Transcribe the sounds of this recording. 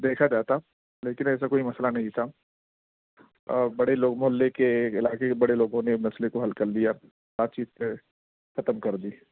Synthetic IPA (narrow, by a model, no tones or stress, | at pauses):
d̪eːkʰad͡ʒaːt̪a | leːkɪnɛːs̬akoːimɐslanɐɦĩt̪ʰa | bɐɽeloːɡmoːlːekeːkɪlaːkebɐɽeloːɡõnenɐslekoɦɐlkɐɾd̪ija | baːt̪̚t͡ʃiːt̪se | xɐt̪əmkɐɾd̪iː